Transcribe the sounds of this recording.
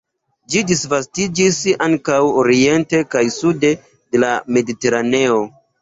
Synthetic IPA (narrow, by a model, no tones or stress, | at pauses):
d͡ʒidisvastid͡ʒisaŋkawoɾie̞nte̞kajsude̞ | de̞lame̞dite̞ɾane̞o̞